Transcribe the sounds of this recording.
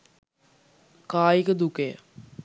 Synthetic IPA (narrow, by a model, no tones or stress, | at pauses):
kaːjikəd̪ukeə̰